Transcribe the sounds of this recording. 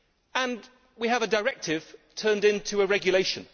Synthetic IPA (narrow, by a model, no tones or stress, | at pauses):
ə̃n | wiəvədəɹɛk̚tʰɪv̥tʰɜ̃ːndɪ̃ntʰɨəɹɛɡjəleɪʃə̃n